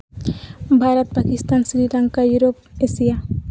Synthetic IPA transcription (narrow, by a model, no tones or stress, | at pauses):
bʱaɾat̪̚pakist̪aːnsɾilaŋkajuɾop̚esija